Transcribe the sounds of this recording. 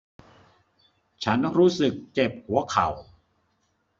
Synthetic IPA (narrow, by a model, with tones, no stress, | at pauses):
t͡ɕʰa˦˥nɾuː˦˥sɯ˨˩k̚t͡ɕe˨˩p̚hu˩˦ɐkʰa˨˩w